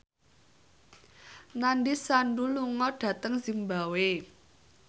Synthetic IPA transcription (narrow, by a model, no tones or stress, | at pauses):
naɳɖisaɳɖuluŋɔɖ̥ä̤t̪əŋzimbawe